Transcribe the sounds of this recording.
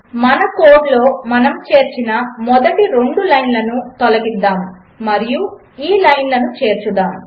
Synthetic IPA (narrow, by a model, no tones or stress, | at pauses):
mɐnɐko̞ːɖlo̞ːmɐnɐmt͡ʃe̞ːɾt͡ʃinɐmɔd̪ɐʈiɾe̞ɳɖulɐjnlɐnut̪ɔlɐɡid̪ːaːm | mɐɾiju | iːlɐjnlɐnut͡ʃe̞ːɾt͡ʃud̪aːm